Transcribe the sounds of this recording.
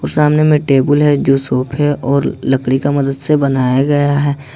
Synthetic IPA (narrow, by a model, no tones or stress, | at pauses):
ɔːɾsaːmnemẽʈeːbəlɦɛd͡ʒoːsoːpʰɦɛʔɔːɾləkɽikamɐd̪əd̪sebənaːjaɡɐjaɦɛː